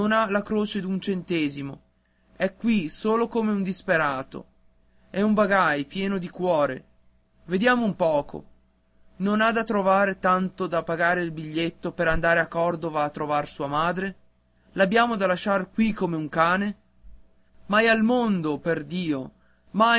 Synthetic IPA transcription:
nonalakɾoːt͡ʃed̪unt͡ʃent̪ɛːzimo̰ | ɛkːwisoːlokomeund̪ispeɾaːt̪o̰ | ɛumbaɡajpjɛːnod̪ikwɔːɾḛ | ved̪jaːmoumpɔːko̰ | nonad̪at̪ːɾovaːɾet̪ant̪od̪apːaɡaːɾeilbiʎːet̪ːopeɾand̪aːɾeakːɔrd̪ovaːt̪ːɾovarsuːamaːd̪ɾe | labːjaːmod̪alaʃarkwikːomeuŋkaːne | majalmond̪operd̪iːo | ma

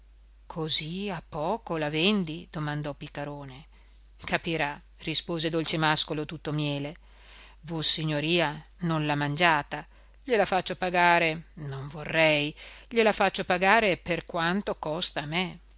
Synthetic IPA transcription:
kʰoziapːɔːkolavɛnd̪id̪̥omand̪ɔpikːaɾoːne | kapiɾa | rispoːzed̪olt͡ʃemaskolot̪ut̪ːomjɛːle | vosiɲːoɾiːanonlamand͡ʒaːt̪a | ʎelafat͡ʃːopaɡaːɾenoɱvorːɛjʎelafat͡ʃːopaɡaːɾeperkwant̪okɔst̪ame

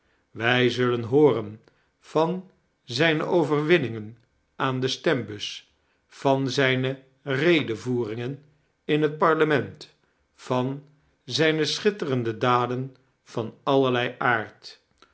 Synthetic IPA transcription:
ʋɛjzɵlənɦʊːrən | v̥ɑn | zɛjnə̰ʔowvərʋɪnɪŋən | ʔaːndəstɛmbɵs | fɑnzɛjnə | rejdəvuːrɪŋən | ɪnɦət̚pɑɹləmɛnt | fɑn | zɛjnəsχɪtərəndədaːdən | v̥ɑnɑləɹlɛjʔaːɹt

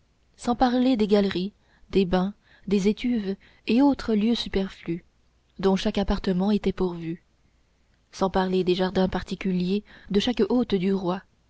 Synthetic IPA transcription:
sɑ̃paʁled̪eɡalʁi | d̪ebɛ̃ | d̪ezet̪yv | eot̪χəljøsypɛʁfly | d̪ɔ̃ʃakapaʁt̪əmɑ̃et̪ɛpuʁvy | sɑ̃paʁled̪eʒaʁd̪ɛ̃paʁt̪ikʲyljed̪əʃakot̪d̪yʁwa

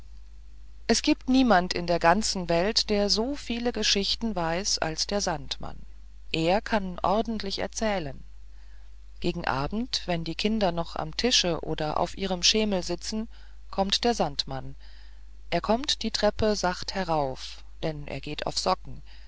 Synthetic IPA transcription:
ʔɛsɡ̥iːp̚tniːmantɪ̰ndeːɐɡant͡sn̩vɛltd̥eːɐzoːfiːləɡəʃɪçtn̩vaɪsa̰lsd̥eːɐzantma̰n | ʔeːɐkʰanʔɔ̰ɐdn̩tʰlɪçɛ̰ɐt͡sɛːlən | ɡ̥eːɡŋ̩ʔa̰ːbm̩tv̥ɛndiːkʰɪndɐnɔχa̰mtʰɪʃəʔo̰ːdɐʔa̰ʊfʔiːʁ̞əmʃeːml̩zɪt͡sn̩ | kʰɔmtd̥eːɐzantman | ʔeːɐkʰɔmtd̥iːtʁ̥ɛpəzaχthɛʁaʊf | d̥ɛnʔḛːɐɡeːtʰa̰ʊfz̥ɔkŋ̩

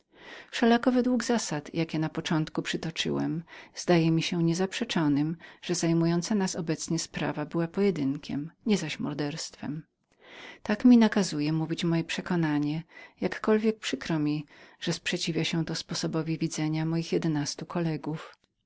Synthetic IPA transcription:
fʂɛlakɔvɛd̪wuɡzasat̪jakʲɛnapɔt͡ʂɔnt̪kupʂɘt̪ɔt͡ʂɘ̰wɛ̰mz̥d̪ajɛmʲiɕɛɲɛzapʂɛt͡ʂɔnɘmʐ̥ɛzajmujɔnt̪sanasɔbɛt̪sɲɛspɾa̰vabɘwapɔjɛd̪ɘŋkʲɛ̰mɲɛzaɕmɔ̰ɾd̪ɛɾst̪fɛ̰m | t̪akmʲinakazujɛmuvʲit͡ɕmɔjɛpʂɛkɔnaɲɛjakːɔlvʲjɛk̚pʂɘkɾɔmʲiʐ̥ɛspʂɛt͡ɕivʲjaɕɛ̃t̪ɔspɔsɔbɔvʲivʲid̪zɛɲamɔjixjɛd̪ɛnast̪ukʰɔlɛɡuf

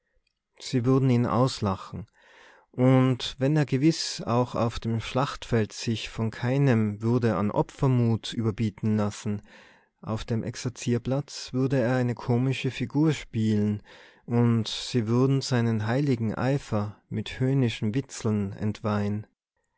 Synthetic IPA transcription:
z̥iːvʏɐdn̩iːnʔa̰ʊslaχn̩ | ʔʊntvɛneːɐɡəvɪsa̰ʊxa̰ʊfd̥eːmʃlaχtfɛltsɪçfɔnkʰaɪnəmvʏɐdəa̰nʔɔ̰pfɐmuːtʔyːbɐbiːtn̩lasn̩ | ʔa̰ʊfd̥eːmʔɛ̰ksɛɐt͡siːɐplat͡sv̥ʏɐdəeːɐaɪnəkʰoːmɪʃəfiɡuːɐʃpiːlən | ʔʊntz̥iːvʏɐdn̩zaɪnənɦaɪlɪɡŋ̩ʔa̰ɪfɐmɪthøːnɪʃn̩vɪt͡sl̩nɛ̰ntv̥aɪn

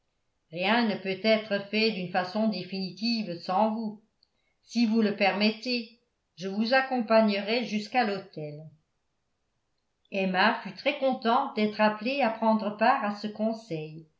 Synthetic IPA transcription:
ʁjɛ̃nəpøt̪ɛt̪χəfɛd̪ynfasɔ̃d̪efinit̪ivsɑ̃vu | sivuləpɛʁmɛt̪e | ʒəvuzakɔ̃paɲəʁɛʒyskalot̪ɛl | ɛmafyt̪χɛkɔ̃t̪ɑ̃t̪̚d̪ɛt̪χapleapχɑ̃d̪ʁəpaːʁasəkɔ̃sɛj

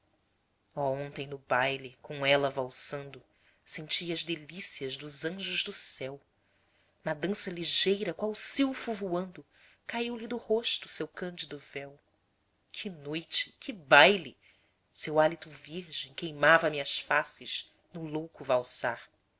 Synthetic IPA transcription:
ɔõnt̪ẽj̃nʊbajlikõw̃ɛlɐvawsɐ̃nd̪ʊ | sẽnt͡ʃiɐɐzd̪elisiɐʒd̪ʊzɐ̃ʒʊʒd̪ʊsɛw | nɐd̪ɐ̃sɐliʒejɾɐkwawʊsiwfuvuɐ̃nd̪ʊ | kaiwlid̪ʊhoʃt̪ʊsewkɐ̃nd͡ʒid̪ʊvɛw | kʰɪnojt͡ʃɪ̥kʰɪbajli | sewalit̪ʊviɾʒẽj̃kejmavɐmiɐʃfasɪʃ | nʊlowkʊvawsaɾ

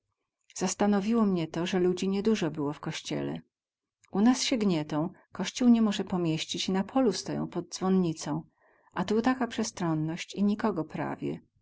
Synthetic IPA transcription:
z̥ast̪anɔvʲiwɔmɲɛt̪ɔʐɛlud͡ʑiɲɛd̪uʐɔbɘwɔfkɔɕt͡ɕɛ̰lɛ̰ | ʔunasɕɛɡɲɛt̪ɔ̃w̃kɔɕt͡ɕuwɲɛmɔʐɛpɔmʲjeɕt͡ɕit͡ɕinapʰɔlust̪ɔjɔ̰̃w̃pɔd̪̚d̪zvɔnɲit̪sɔ̃w̃ | ʔat̪ut̪akapʂɛst̪ɾɔnːɔɕt͡ɕiɲikɔɡɔpɾa̰vʲjɛ̰

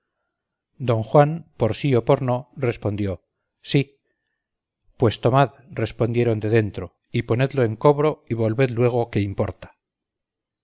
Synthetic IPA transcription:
d̪o̞ŋxwanpo̞ɾsio̞po̞ɾno̞re̞spo̞nd̪jo̞ | si | pwe̞st̪o̞mað | re̞spo̞nd̪je̞ɾo̞nd̪e̞ðe̞nt̪ɾo̞ | ipo̞ne̞ðlo̞e̞ŋko̞βɾo̞iβo̞lβe̞ðlwe̞ɣ̞o̞ke̞impo̞ɾt̪ḁ

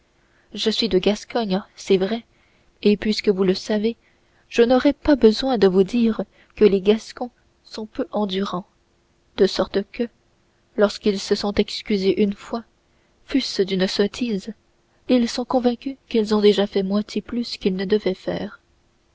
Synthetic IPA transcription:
ʒəsɥid̪əɡaskɔɲsɛvʁɛ | epɥiskəvuləsave | ʒ̥ənɔʁɛpabəzwɛ̃d̪əvud̪iːʁ | kəleɡaskɔ̃ | sɔ̃pøʔɑ̃d̪yʁɑ̃ | d̪̥əsɔʁt̪kə | lɔʁskilsəsɔ̃t̪ɛkskʲyzeʔynfwa | fysd̪ynsɔt̪ʰiz | ilsɔ̃kɔ̃vɛ̃kʲykilzɔ̃d̪eʒafɛmwɛ̃t̪ʰjeplyskʲilnəd̪əvɛfɛ̰ːʁ

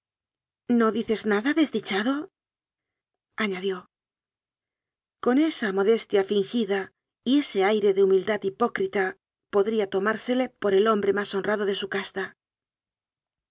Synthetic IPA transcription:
no̞ðiθe̞znaðaðe̞zðit͡ʃaðo̞ | aɲaðjo̞ | ko̞ne̞samo̞ðe̞st̪jafiŋxiða | ie̞se̞ajɾe̞ðeumild̪at̪ipo̞kɾit̪a | po̞ðɾiat̪o̞maɾse̞le̞po̞ɾe̞lo̞mbɾe̞maso̞nraðo̞ðe̞sukast̪a

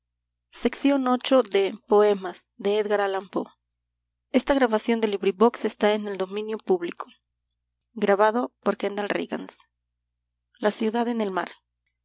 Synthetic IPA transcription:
se̞ksjo̞no̞t͡ʃo̞ðe̞po̞e̞masd̪e̞eðɣaɾalampo̞̰ | e̞st̪aɣɾaβasjo̞nd̪eliβɾiβo̞kse̞st̪aene̞ld̪o̞mĩnjo̞puβlikʰo | ɡɾaβaðo̞po̞ɾkend̪alrḭɣa̰ns | lasjuðaðe̞ne̞lmaɾ

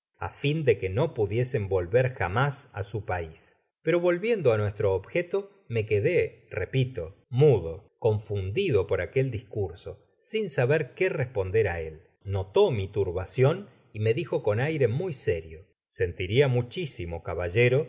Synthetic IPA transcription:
a̰find̪e̞keno̞puðje̞se̞mbo̞lβeɾxamasa̰supais | peɾo̞βo̞lβje̞nd̪oanwe̞st̪ɾo̞ːβxet̪o̞ | me̞keðerepit̪o̞muðo̞ko̞ɱfund̪iðo̞po̞ɾake̞ld̪iskuɾso̞ | sinsaβeɾkerespo̞nd̪eɾae̞l | no̞t̪o̞mit̪uɾβasjo̞n | ime̞ðixo̞ko̞najɾe̞mujseɾjo | se̞nt̪iɾiamut͡ʃisimo̞kaβaʒe̞ɾo̞

